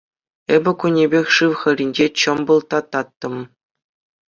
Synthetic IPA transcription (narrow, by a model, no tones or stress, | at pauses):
ebʲɘ̆kunʲːebʲexʲʂɯʋχɘ̆ɾʲinʲd͡ʑet͡ɕɤ̆mbɤ̆lˠt̪ɑt̪ːɑt̪ːɤ̆m